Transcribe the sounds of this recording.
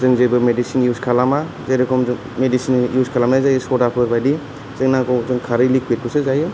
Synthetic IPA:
zɯŋzɯjbɯmedisinjuskʰalama | zajɾɯkʰɔmzɯŋ | medisinjuskʰalamnazajɯsɔdapʰɯɾbajdi | z̥ɯŋnakɔzɯŋkʰaɾɯlik̚ʰet̚kɯsɯzajɯ

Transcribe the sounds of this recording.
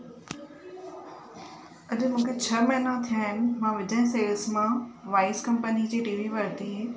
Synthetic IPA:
ɐɗ̆mũːkʰet͡ɕʰɐmɐːnat̪ʰijaːɦɪnɪ̆mãːʋɪd͡ʑə̃ɦɪ̃seːlsmãʋaːɪskɐmpənid͡ʑiːʈiːʋiʋɐɾt̪iɦeː

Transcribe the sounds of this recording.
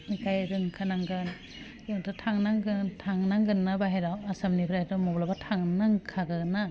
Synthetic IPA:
nikʰajɾɯŋkʰanaŋɡɯn | jɯŋtʰatʰaŋnaŋɡɯtʰaŋnaŋɡɯnːabaɦeɾawasamnibʰɾaɾamɔblabatʰaŋnaŋkʰaɡɯna

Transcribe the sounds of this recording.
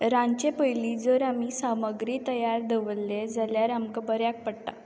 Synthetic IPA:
ɾãnt͡ɕepəjlid͡zəɾamisaməɡɾit̪əjaɾd̪əʋəlːed͡zaljaɾamkəbəɾjak̚pəɽt̪a

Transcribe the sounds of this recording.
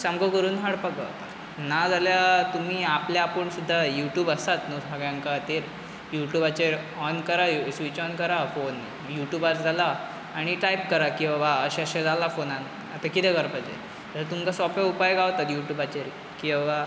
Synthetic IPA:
samɡəkəɾuːnɦaɽpakɡʱa̰ʋt̪a̰t̪ | nad͡zaljat̪um̤iːapljaːpəɳsud̪ʱːajuʈjuːbəst̪at̪nosaɡjãŋkat̪eɾ | juʈjuːbat͡ɕeɾ | ɔnkəɾasʋit͡ɕɔnkəɾafon | juʈjuːbat͡sd͡zʱalaː | ɽ̃iʈajpkəɾakĩw̃ʋaəɕɛ̃əɕɛ̃d͡zalafonãn | at̪akit̪ɛɡəɾpad͡zḛ | əsət̪umkasɔfʋaupajɡaʋt̪at̪juʈjuːbat͡ɕeɾ | kĩw̃ʋa

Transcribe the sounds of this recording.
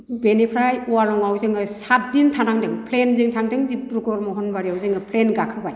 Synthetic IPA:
benipʰɾajɔwalɔŋawzɯŋɯsat̚dintʰanaŋdɯŋpʰlendɯŋtʰaŋdɯŋdip̚tɾuɡɔɾmɔɦɔnbaɾiawzɯŋɯpʰlenɡakʰɯbaj

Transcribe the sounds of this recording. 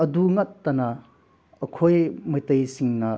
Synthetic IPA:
ɐduŋɐtːɐnɐ | ɐkʰojmɐjtɐjsiŋnɐ

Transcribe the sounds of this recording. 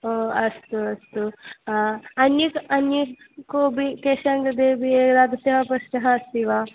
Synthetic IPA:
oːɐst̪uɐst̪u | ɐnjiɐnji | koːbikeʃɐŋɡɐd̪eːbieːɾaːd̪ɐseɦɐpɐsnɐɦɐɐst̪iːʋaː

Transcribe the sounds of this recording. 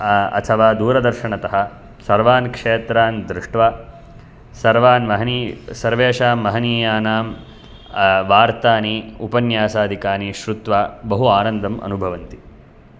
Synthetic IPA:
ɐ̰t̪ʰɐʋaːd̪uːɾɐd̪ɐɾʃɐɳɐt̪ɐɦɐ̆ | sɐɾʋaːnkʂeːt̪ɾaːnd̪ɾɪʂʈʋaː | sɐɾʋaːnʋɐɦɐnisɐɾʋeːʂaːmːɐɦɐniːjaːnaːm | ʋaːɾt̪aːniupɐnjaːsaːd̪ʱikaːniʃɾut̪ʋaːbɐɦuaːnɐnd̪ʱɐmɐ̰nubʱɐʋɐnt̪i

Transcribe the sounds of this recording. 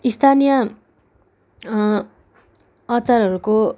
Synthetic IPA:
ist̪ʰanijʌ | ʌt͡saɾʌɾuko

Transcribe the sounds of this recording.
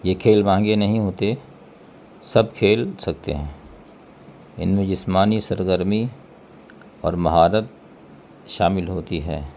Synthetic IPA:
jekʰeːlmãːŋɡenɐɦĩɦoːt̪e | sɐb̚kʰeːlsɐk̚t̪ḛɦɛ̃ː | ɪ̰nmẽd͡ʒɪsmaːnisəɾɡəɾmi | ɔ̰ːɾmɐɦaːɾət̪̚ | ʃaːmɪlɦoːt̪iɦɛ̰ː

